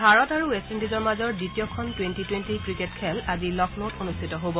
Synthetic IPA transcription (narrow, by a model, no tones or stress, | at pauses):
bʱaɹɔtaɹuestindizɔɹmazɔɹditijɔkʰɔntwentitwentikɹiketkʰɛlazilɔknotonustʰitɔɦobɔ